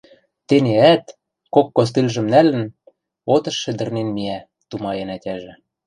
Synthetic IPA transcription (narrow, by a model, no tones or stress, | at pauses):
t̪eneæt̪ | kokːos̬t̪ilʲʒɘ̆mnælɘ̆n | ot̪ɤ̆ʃːɘ̆d̪ɘ̆rnenmiæ | t̪umɑjĕnætʲæʒɘ̆